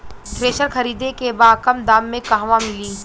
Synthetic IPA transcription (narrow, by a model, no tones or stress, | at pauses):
t̪ɾeːʃəɾxɐɾiːd̪ẽkebaːkəmd̪aːmːẽkaːɦʋãmɪliː